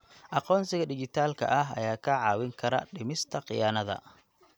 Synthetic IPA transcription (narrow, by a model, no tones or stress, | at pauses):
ʔɑqɔːnsɪɣɐɖɪt͡ʃɪt̪ʰaːlkʰɐ̰ʔɐɦɐ̰jaːkʰɐʕɑːwɪŋkʰɐɾɐ̰ɖɪmɪst̪ʰɐqɪ̰jaːnɐðɐ̰